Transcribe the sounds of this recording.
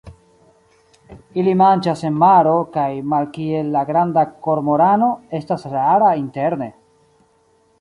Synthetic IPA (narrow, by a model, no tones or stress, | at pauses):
ilimant͡ʃase̞nmaɾo̞kajmalkie̞lːaɡɾandako̞ɾmoɾano̞e̞stasɾaɾainte̞ɾne̞